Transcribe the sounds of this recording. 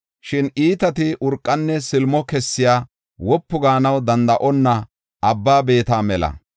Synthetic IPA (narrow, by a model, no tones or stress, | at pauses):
ʃɪnʔiːt̪ɐt̪ɪʔʊɾkʼːɐnːɛsɪlmɔkɛsːɪjaː | wɔpːʊɡaːnɐwd̪ɐnd̪ɐʔɔnːɐ | ɐbːaːbe̞ːt̪aːmɛlɐ̰